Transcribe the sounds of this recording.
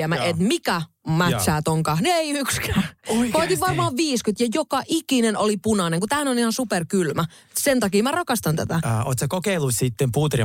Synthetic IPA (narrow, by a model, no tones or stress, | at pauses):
æmæet̪mikæ | mætsæːt̪oŋkɑhnieiykskæːkoit̪iʋʋɑrmɑːʋʋiːskyt̪jɑjokɑʔikinenolipunɑneŋkut̪æːnonihɑnsuperkylmæ | sent̪ɑkiːmærɑkɑst̪ɑnt̪æ̰t̪æo̰ːt̪ʲsekokeilːussit̪ːempuːt̪ri